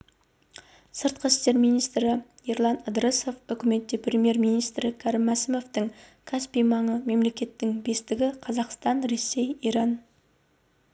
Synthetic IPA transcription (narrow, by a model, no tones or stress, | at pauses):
səɾt̪̚qəst̪e̞ɾmijnijst̪ɾɪiɾlˠɑnəd̪ɾəso̞fʏkʲɪme̞t̪ːe̞prʲemije̞ɾmijnijst̪ɾɪkʲʰæɾɪmːæsɪmo̞ft̪ɪŋ | kʲʰaspijmɑɴəme̞mle̞kʲe̞t̪ːɪŋbe̞st̪ɪɡʲɪqʰɑzɑqst̪ɑnɾe̞sːe̞jiɾɑn